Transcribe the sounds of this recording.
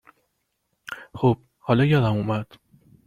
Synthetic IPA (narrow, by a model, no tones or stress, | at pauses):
xob̥̚ | hɒːlɒjɒːd̪æmumæd̪̥